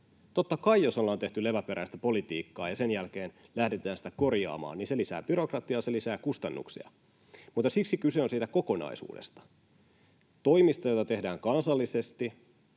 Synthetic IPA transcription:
t̪o̞t̪ːɑkɑijo̞so̞lːɑːnt̪e̞ht̪yle̞ʋæpeɾæist̪æpo̞lit̪iːkːɑːjɑse̞njælk̟eːnlæhdet̪æːnsi̥t̪æko̞rjɑ̰ːmɑ̰ːninse̞lisæ̰ːb̥yɾo̞krɑt̪iɑselisæːkust̪ɑnːṵksḭɑ̰ | mut̪ːˑɑsiksikyse̞o̞nsiːt̪æko̞ko̞nɑ̰isṵːdḛst̪ɑ̥ | t̪o̞imist̪ɑjo̞jt̪ɑt̪e̞hdæːŋkɑnsɑlːisest̪i

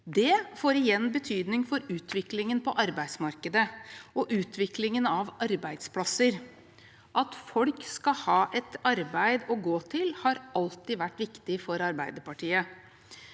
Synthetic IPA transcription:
d̪ɛfoːɾɪjɛnːbət̪ʰyːd̪nɪŋfɔɾʉːt̪ʰʋɪklɪŋənpʰɔʔɑɾbæɪsmɑɾkəd̪əɔʔʉːt̪ʰʋɪklɪŋənɑʋɑɾbæɪd̪spʰlɑsəɾ | ʔɑt̪fɔlkskɑhɑːʔɛt̪ɑɾbæɪd̪ɔɡoːt̪ʰɪlhɑɾɑlt̪ɪʋæʈːʋɪkt̪ɪfɔɾɑɾbæɪd̪əpɑʈʰiːə

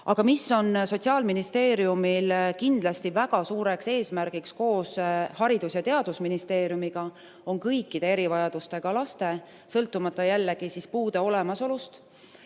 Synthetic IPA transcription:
ɑ̰ɡ̥ɑmisːo̞nso̞t̪ʲsiɑːlminist̪e̞ːɾjumilkind̪̥lɑst̪ivæɡ̥ɑsuːɾe̞kse̞ːsmæɾɡ̥iksko̞ːshɑɾid̪̥usjɑt̪e̞ɑd̪̥usminist̪e̞ːɾjumiɡ̥ɑ | o̞ŋkɤjkːˑid̪̥e̞e̞ɾivɑjɑd̪̥ust̪e̞ɡ̥ɑlɑst̪e̞ | sɤlt̪ːˑumɑt̪ˑːɑjælːeɡ̥isispuːd̪e̞o̞le̞mɑso̞lust̪

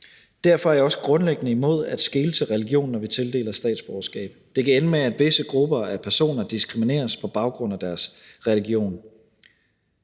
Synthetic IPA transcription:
d̥æɐ̰fɒ̽æɐaɒ̽sə̥ɡ̥ʁɔ̽nleɡ̥ənəimo̝ð̞̰ˠæd̥sɡ̥e̝ːlət͡sʰe̝lʁɛliɡ̥jo̝̰ːnːɒʋit͡sʰe̝ld̥e̝̰ːlɐsd̥ɛ̰ːd̥sb̥ɒʊɐsɡ̥ɛ̰ːb̥d̥e̝kʰæenəmeæd̥ʋe̝səɡ̥ʁub̥ɐæɐpʰæɐso̝̰ːnɐd̥isɡ̥ʁimine̝̰ːɐspʰɒ̽b̥ɑ̈ʊɡ̥ʁɔ̽n̰æd̥æɐsʁɛliɡ̥jo̝̰ːn

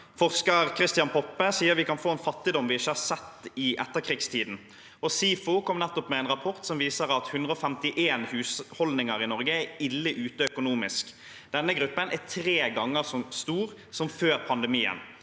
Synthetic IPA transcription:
fɔʁskəʁkʰɾɪst̪jɑnpʰɔpːəsiːəɾʋɪkɑnfoːɛːnfɑt̪ːɪd̪ɔmʋɪɪʃːəhɑɾsɛt̪ːɪʔɛ̰t̪ːəʁkʰʁiːɡst̪ʰiːd̪n̩ | ɔsiːfʊkʰɔmnɛt̪ːɔpmɛɛnʁɑpʰɔʁt̪sɔmʋiːsəʁɑt̪hʉnd̪ʁəɔːfɛmt̪ɪʔeːnhʉːshɔld̪nɪŋəʁɪnɔʁɡəæɪlːəʔʉːt̪əœkʊnuːmɪsk | d̪ɛnːəɡɾʉpːənʔæt̪ʰɾeːɡɑŋːəʁsɔmst̪uːɾ | sɔmføːɾpʰɑnd̪ɛmiːə̰n

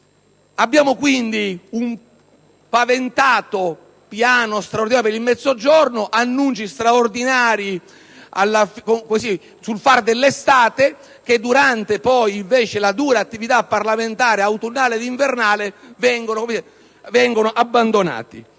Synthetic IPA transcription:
abːjaːmokwind̪ium | pavent̪aːt̪o | pjaːnost̪ɾaord̪iaːjopeɾilmɛt̪zːod͡ʒɔrnoʔanːunt͡ʃist̪ɾaord̪inaːɾi | a̰lːafkokosi | sulfard̪elːest̪aːt̪e | k̟ed̪ːuɾant̪epɔjiɱveːt͡ʃelad̪uːɾaːt̪ːivit̪apːarlament̪aːɾeawt̪unːaːled̪iɱvernaːlevɛŋɡonokom | vɛŋɡonoʔabːand̪ona̰ːt̪ḭ

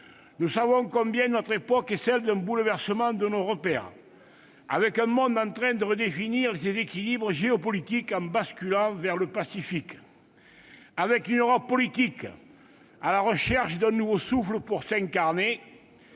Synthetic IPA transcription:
nusavɔ̃kɔ̃mbjɛ̃nɔt̪χepɔkɛsɛld̪ɛ̃mbuləvɛʁsəmɑ̃d̪ənoʁəpɛʁ̰ | a̰vɛkɛ̃mɔ̃nd̪ɑ̃nt̪χɛ̃d̪əʁəd̪efiniʁlesezekilibʁəʒeɔpɔlit̪ikɑ̃baskylɑ̃vɛʁləpasifik | avɛkynøʁɔpːɔlit̪ik | alaʁəʃɛʁʃəd̪ɛ̃nuvosufləpuʁsɛ̃ŋkaʁne

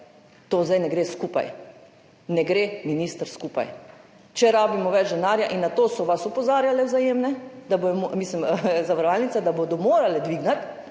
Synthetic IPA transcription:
t̪oːzd̪ajnɛɡɾeːskupa̰j | nɛɡɾeminiːst̪əɾskuːpa̰j | t͡ʃɛɾaːbimɔʋɛd͡ʒd̪ɛnaːɾjaʔinːat̪oːsɔʋasupɔzaːɾjalɛwzajeːmnɛd̪abojɔmomisliməzaʋaɾɔʋalnit̪sad̪abod̪ɔmoːɾalɛd̪ʋiːɡnat̪

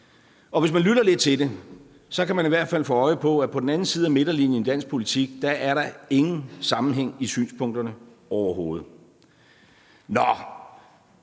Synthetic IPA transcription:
ɒ̽ʋe̝s̬mænlyɾɐle̝d̥̚t͡sʰe̝de̝ | sɒ̽kʰæmæniʋæɐ̰d̥fæl̰foːɒ̽ɪpʰɒ̽æpʰɒ̽d̥n̩æn̩siːð̞̩ˠæme̝ɾ̥ɐlinjəend̥æn̰sɡ̥̚pʰo̝lit͡sʰiɡ̥d̥ɑ̈ʔæɐɾɑ̈e̝ŋn̩sɑ̈mn̩ɦeŋ̰isy̰ːnspʰɔ̽ŋ̰d̥ɐnə | ɒʊɐɦo̝ːð̞̩ˠ | nɒ

